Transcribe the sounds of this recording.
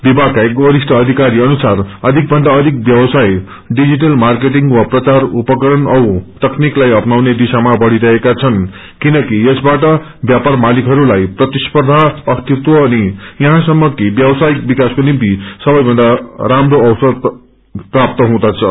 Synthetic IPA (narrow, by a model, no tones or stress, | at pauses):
bibʱakaekɡʌɾisʈʰʌːd̪ʱikaɾiʌnusarʌd̪ʱik̚bʱʌnd̪aʌd̪ʱik̚bjʌbʌsaj | ɖid͡ziʈ̬ʌlmark̬eʈ̬iŋɡwaprʌt͡sarupʌkʌɾʌnʌwt̪ʌkniklajʌpnawned̪isamabʌɽ̤iɾʌɦekat͡sʰʌn | kinʌkiesbaʈʌ | bjaparmalikɦʌɾulajprʌt̪ispʌrd̪ʱaʌst̪it̪wʌːnijʌɦãsʌmːʌkibjʌbʌsajik̚bikaskonimt̪isʌbʌjbʱʌnd̪aɾamroʌwsʌd̪ | prap̚t̪ʌɦũd̪at͡sʰʌ